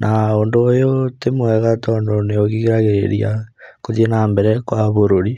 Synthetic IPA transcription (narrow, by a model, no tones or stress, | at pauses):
nʔaoːndoːjotemwɛɣatɔːndoneoɣiɣeɾaɣeɾeɾiakoðenambɛɾɛkwaβoɾoɾi